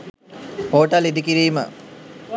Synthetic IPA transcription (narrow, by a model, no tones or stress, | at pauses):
poːʈəlid̪ikiɾiːmə̰